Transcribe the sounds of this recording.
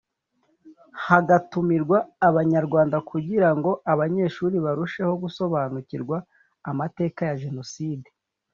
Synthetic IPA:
haɡatumiɾɡwaːβaɲaɾɡwaːndakuɟiɾaŋɡo̞ʔaβaɲe̞ːʃuːɾiβaɾuʃe̞ho̞ɡuso̞βanuciɾɡwaː | mate̞ːkajaʒe̞no̞siːde

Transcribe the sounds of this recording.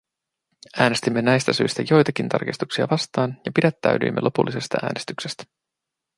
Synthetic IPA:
æːne̞st̪imːe̞næjst̪æsyjst̪æjo̞jt̪ɑkint̪ɑ̰rkist̪uksiɑ̰ʋɑst̪ɑːnjɑpidæt̪ːæ̰ɥdy̰ːmːʔelo̞pulːise̞st̪ɑ̰ʔæ̰ːne̞st̪yksest̪æ̥

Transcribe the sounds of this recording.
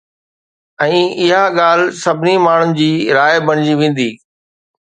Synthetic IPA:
ɛ̃ːɪɦaɠaːl̤sɐbʱɪnimaːɳ̤ʊnɪ̆d͡ʑiːɾaːjbɐɽ̃ɪd͡ʑiʋẽːn̆d̪iː

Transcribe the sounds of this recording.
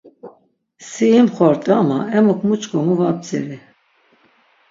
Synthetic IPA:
siimχɔɾt̪ʼamaɛmukʰmut͡ʃʼkʼɔmuvap̚t͡sḭɾi

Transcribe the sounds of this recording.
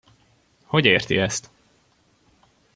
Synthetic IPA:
ho̞ɟeːrt̪ḭɛst̪

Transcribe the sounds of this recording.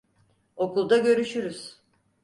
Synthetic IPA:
o̞kulˠd̪aɟø̞ɾyʃyɾyz̥

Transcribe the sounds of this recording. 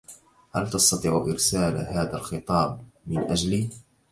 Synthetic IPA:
halt̪ɑst̪ɑt̪ˤiːʕʔɪɾsaːlhaːðalxɨt̪ˤɑːb̚mɪnʔad͡ʒliː

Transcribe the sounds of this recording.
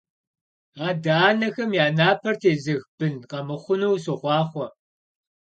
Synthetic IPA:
aːdaːnɐxɐmjaːnaːpʰɐrtʰeːzɨɣb̥ɨnqɐmɨχʷʊnuwsoχʷɑːχʷɔ

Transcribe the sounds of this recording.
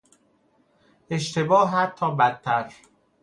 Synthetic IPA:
ʔe̞ʃt̪ʰebɒːɦæɒːbæt̪ʰːæɾ

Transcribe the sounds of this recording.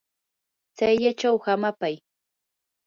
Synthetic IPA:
t͡sajʎat͡ʃawhamapaj

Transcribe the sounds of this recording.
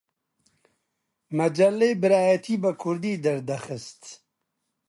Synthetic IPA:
mɐd͡ʒɐlːebɪɾaːjat̪ʰiːbɐkʰuɾd̪iːd̪ɐɾd̪ɐxəst̪

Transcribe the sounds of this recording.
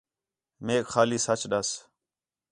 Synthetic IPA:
meːkxaːliːsət͡ʃɗəs

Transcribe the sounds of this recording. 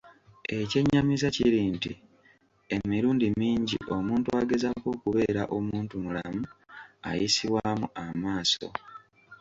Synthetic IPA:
e̞ce̞ɲːamizaciɾiːnti | e̞miɾuːndimiːɲɟḭʔo̞muːntuaːɡe̞zako̞ːkuβe̞ːɾaʔo̞muːntumula̰mua̰jisiwaːmuamaːso̞̰

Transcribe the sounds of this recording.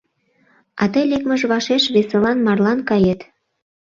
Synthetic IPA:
ɑt̪əjlekməʒβɑʃeʃβeselɑnmɑrlɑnkɑjet̪

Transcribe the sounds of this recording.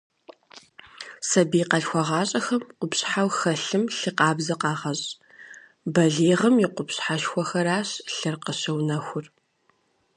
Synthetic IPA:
sɐbiːqɐɬxʷɔʁɑːɕʼɐxɐmqʷʊpɕħawxɐɬɨmɬɨqɑːbzɐqɑːʁɐɕʼ | bɐɮeːʁɐmjɪqʷʊpɕħaʃxʷɔxɐɾaːɕɬɨrqəɕɐwnɐxʷʊr

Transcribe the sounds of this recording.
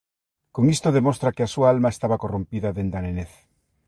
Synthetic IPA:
koŋist̪oðemost̪ɾakeasuaalmaest̪aβakorõmpiðɐðend̪aneneθ

